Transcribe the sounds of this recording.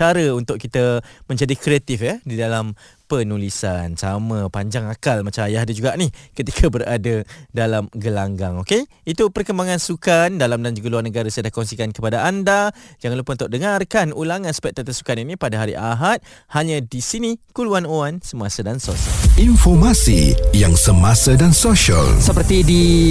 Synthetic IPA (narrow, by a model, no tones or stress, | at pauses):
aɾəunt̪ʊʔ̚kit̪əmə̃ɲd͡ʒadikɾeat̪ɪfjədidalam | pənulisansamə̃paɲd͡ʒaŋakalmat͡ʃamajaɦdad͡ʒuɡaʔnihkət̪ikʰabəɾadədalamɡəlaŋɡaŋoke | it̪upərkəmbaŋãnsukandalamdand͡ʒuɡəluarnəɡaɾasajadahkɔnsikankəpadaʔandad͡ʒaŋalupʊnt̪aʔ̚dəŋarkanulaŋãnspɛt̪at̪əsu̥kaninipadaɦaɾḭʔaɦat̪̚ | haɲadisinikuluanoansəmasadansosa̰infɔrmasḭjaŋsəmasədansoʃa̰lsəpərt̪idi